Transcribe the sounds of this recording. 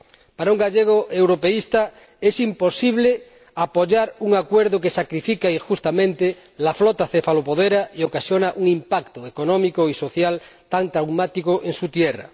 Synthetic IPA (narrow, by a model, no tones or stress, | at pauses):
paɾauŋɡaʎeɣ̞oʔewɾopeist̪a | esimposiβle | apoʝaɾuŋakweɾðok̬esakɾifikaixust̪amẽnt̪e | laflɔt̪aθefalopoðeɾaiokasjonaʔuŋĩmpakt̪oekonɔ̃mikoisoθjalt̪ant̪ɾawmat̪ikoʔeŋsut̪jera̰